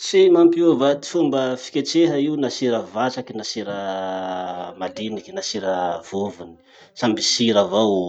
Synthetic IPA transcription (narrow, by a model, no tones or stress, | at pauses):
simampuvat̪i̥fumbəfi̥kʲet͡seɦəiunasiɾəvat͡ʃakinasiɾə | mad̪inikinasiɾəv̥ovuni̥ | sambisiɾavaw